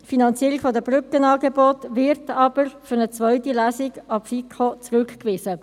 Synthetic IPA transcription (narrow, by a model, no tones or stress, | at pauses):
tfinɑnt͡siːəɾiɡfodəbʁʏkənɑːɡebɔːtvɪɾtɑb̥əɾfʏʁnət͡svœʏtilæːsiɡɑpfikʰot͡sʁʉkkvɪːzə